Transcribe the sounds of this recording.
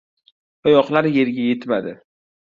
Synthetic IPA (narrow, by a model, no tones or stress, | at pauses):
ɒjɒqlaɾje̞ɾɡʲaje̞t̪mad̪ɪ